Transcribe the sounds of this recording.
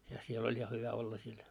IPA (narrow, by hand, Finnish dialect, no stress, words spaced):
jɑ siel olʲ jɑ hyʋæ olːɑ siel